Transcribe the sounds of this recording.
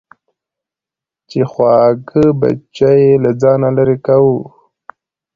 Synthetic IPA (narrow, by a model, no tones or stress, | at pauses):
t͡ʃexwɑːɡəba̰t͡ʃajelad͡zɑːnalaɾekawu